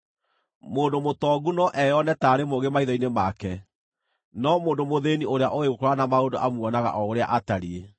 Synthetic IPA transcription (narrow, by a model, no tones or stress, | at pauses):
moːndomotɔɡunɔʔɛjɔnɛtaːɾemoɣɡemaiðɔinemakɛ | nɔmoːndomoðeːnioɾeaʔoeɣokɔɾanamaondoʔamwɔnaɣa̰ʔɔoɾea̰ʔataɾie